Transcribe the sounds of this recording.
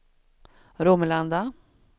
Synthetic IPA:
ɾuməland̪a

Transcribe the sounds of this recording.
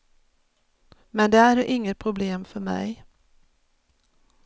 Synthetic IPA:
mɛnd̪ɛæɖoʔɪŋːət̪̚pʰɾʊbleːmfœɾmɛ̰j

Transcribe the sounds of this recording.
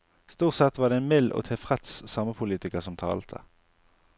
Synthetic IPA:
st̪uːʁt̪sɛt̪ʋɑːd̪ɛɛnmɪlːʔo̰ːt̪ʰɛfʁɛt̪ssɑməpʰʊliːt̪ɪkəʁsɔmt̪ʰɑ̰ːlt̪ʰə̰

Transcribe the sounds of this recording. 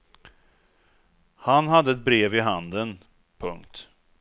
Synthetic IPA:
hanɦad̪ːəɛt̪̚bɾeːvɪɦand̪ən | pʰɵ̰ŋkt̪

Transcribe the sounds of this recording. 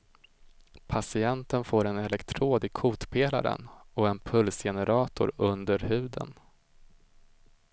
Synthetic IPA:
pʰasɪɛnt̪ənfoːɾɛnɛlɛkt̪ʰɾoːd̪ɪkʰuːt̪pʰeːla̰ɾə̰nɔɛnpʰɵlsjɛnəɾɑːt̪ʊɾɵnd̪əɾhʉ̟ːd̪ə̰n

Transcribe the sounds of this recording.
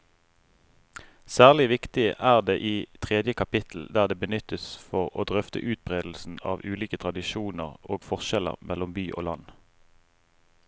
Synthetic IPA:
sæːʁlɪʋɪkt̪ɪʔæːʁd̪eːʔiːt̪ʰʁeːd̪jəkʰɑpɪt̪ʰl̩d̪æːʁd̪eːbənʏt̪əsfɔʁo̰ːd̪ʁœft̪ʰə̰ʔʉːt̪̚bʁeːd̪l̩sn̩ɑ̰ːʋʉːliːkət̪ʰʁɑd̪ɪʃuːnəʁoːɡfɔʁʃɛlə̰ʁmʔɛlʊmbyːʔo̰ːlɑn

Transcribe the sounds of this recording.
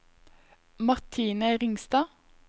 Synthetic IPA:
mɑʁt̪ʰiːnəʁɪŋst̪ɑː

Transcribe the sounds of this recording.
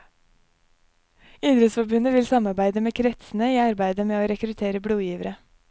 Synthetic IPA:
iːd̪ɾəsfɔbʉnəʋɪlsɑmɑɾbæɪd̪əmeːkʰɾɛt̪sn̩əiːɑɾbæɪd̪əmeːoːɾɛkɾʉt̪ʰeːɾəbɽuːjiːʋəɾə

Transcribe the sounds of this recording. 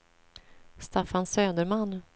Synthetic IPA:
st̪afansøːd̪əɾman

